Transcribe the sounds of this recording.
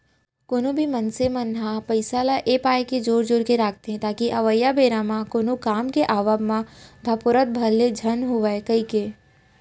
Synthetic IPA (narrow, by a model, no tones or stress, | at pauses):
koːnõbʱimənsemənɦapəɪsalaʔeːpaːjked͡ʒoːɾd͡ʒʊɾkeɾaːkʰt̪eɦɛ̃t̪aːkiʔɐʋəjːabeːɾãmãkoːnokaːmkeʔaːʋəbmãd̪ʱəpʊɾət̪̚bʱɐlːed͡ʒʱənɦʊʋaekəike